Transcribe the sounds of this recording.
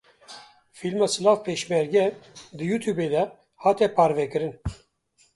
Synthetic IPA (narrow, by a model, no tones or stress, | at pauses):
filmaːsɨlɑːfpʰeːʃmɛɾɡɛd̪ɨjuːt̪ʰjuːbeːd̪ɛ | hɑːt̪ɛpʰɑːɾvɛkɨɾɨn